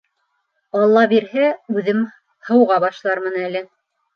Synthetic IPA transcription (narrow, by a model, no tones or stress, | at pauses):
ɑlˠːɑbiɾhæʉðɘm | hɤ̆wʁɑbɑʃlˠɑɾmɤnælɘ